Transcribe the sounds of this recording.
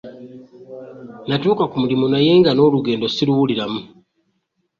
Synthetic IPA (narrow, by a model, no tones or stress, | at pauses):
natuːkakumulimunaje̞ːŋɡano̞ːluɡe̞ːndo̞siluwuliɾamu